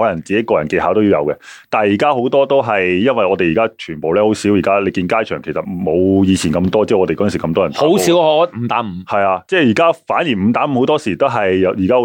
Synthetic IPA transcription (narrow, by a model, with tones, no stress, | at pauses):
ɔː˨˥lɐ˨˩ŋt͡siː˨ke˨˥jkɔː˧jɐ˨˩nke˧ɦaː˨˥wt̪o˥ji˨˧wjɐ̰˨˧wkɛ˧t̪aː˨njiː˨˩kaː˥ho˨˥wt̪ɔː˥t̪o˥wɦɐ˨jjɐ˥nwɐ˨jɔː˨˧t̪e˨jiː˨˩kaː˥t͡ʃʰyː˨˩po˨wlɛː˥ho˨˧˥wsiː˨˥wji˨˩kaː˥le˨˧jkiː˧nkaː˥jt͡ʃʰœː˨˩ŋkʰe˨˩sɐ˨t̚mo˨˧wjiː˨˧t͡sʰiː˨˩nkɐ˧mt̪ɔː˥t͡sɛː˥˩ɔː˨˧te˨kɔ˧˥˨si˨˩kɐ˧mt̪ɔː˥jntao˦˨˥wo˥i˨˦˥wɔ˨˥m̩˧˥t̪aː˨˥m̩˨˧hɐ˨jaː˧t͡sɛː˥˩jiː˨˩kaː˥faː˨˥njiː˨˩m̩˨˧t̪aː˨˥m̩˧˥ho˨˥wt̪ɔː˥siː˨˩t̪o˥wɦɐ˨jːwjiː˨˩kaː˥˧˦